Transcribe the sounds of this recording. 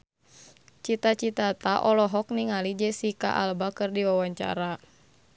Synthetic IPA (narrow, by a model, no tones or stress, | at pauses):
t͡ʃit̪at͡ʃit̪at̪aʔɔlɔɦɔk̚niŋalid͡ʒɛsika̰ʔa̰lbakərdiwawaɲt͡ʃa̰ɾa